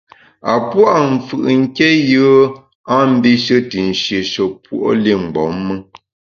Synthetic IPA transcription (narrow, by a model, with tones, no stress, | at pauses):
a˨pwa˦ʔɱ̩˨fɯ̰˨ʔŋ̩˦ke˦jə˦ | a˦m̩˦bi˦ʃə˦ti˨n̩˨ʃje˨ʃo˨pwo̰˨ʔo˦li˦˨ŋ̩˨ɡ͡bɔ˨˦mːə˦